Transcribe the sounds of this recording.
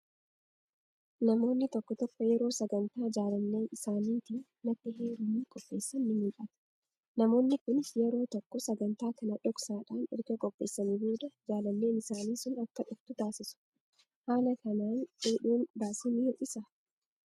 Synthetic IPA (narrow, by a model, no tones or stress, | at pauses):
nɐmo̞ːnːɪt̪ɔkːɔt̪ɔkːɔjɛɾo̞ːsɐɡɐnt̪aːd͡ʒaːlɐnːe̞ːnɪsaːniːt̪iː | ɐt̪ːɪɦeːɾʊnːiːkʼɔpːe̞ːsːɐnːɪmiːᶑʼɐt̪ɐ̥ | nɐmo̞ːnːɪkʊnjɛɾo̞ːt̪ɔkːɔsɐɡɐnt̪aːkɐnɐᶑɔksaːᶑaːnɪɾɡɐkʼɔpʼːe̞ːsːɐnibuːᶑ̪ɐd͡ʒaːlɐnːe̞ːnɪsaːniːsʊnɐkːɐᶑʊft̪ʊt̪aːsɪsʊ̥ | haːnɐkɐnaːneːᶑuːnbaːsɪnɪhɔʔɪsɐ